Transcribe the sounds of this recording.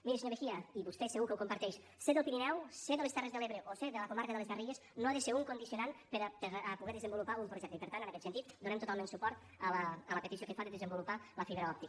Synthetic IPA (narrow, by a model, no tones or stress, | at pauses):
miɾeseɲoβexiəiβust̪ɛsəɣukəwkumpəɾt̪ɛʃ | seðəlˠpiɾinɛwseðəlest̪ɛrezðəleβɾəʔoseðələkumaɾkəðələzβəriʎeznoaðəseɾuŋkund̪isiunanpəɾpəəpuɣɛðəzəmbulupaumpɾuʒɛk̚t̪əipəɾt̪ant̪ənəkɛt̪sənt̪it̪d̪unɛmt̪ut̪alˠmensupɔɾt̪ | ələələpət̪isiokəfaðəðəzəmbulupaləfiβɾəɔp̚t̪ik